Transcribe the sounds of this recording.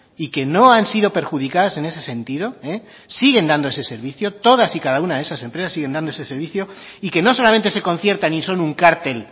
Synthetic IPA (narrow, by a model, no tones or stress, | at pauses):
ike̞no̞ansiðo̞pe̞ɾxuðikaðase̞ne̞se̞se̞nt̪iðo̞e | siɣe̞nd̪and̪oe̞se̞se̞ɾβiθjo̞t̪o̞ðasikaðaunaðesase̞mpɾe̞sasiɣe̞nd̪and̪oesese̞ɾβ̞iθjo̞ike̞no̞so̞lament̪e̞se̞ko̞n̟θje̞ɾt̪anĩso̞nuŋkaɾt̪e̞l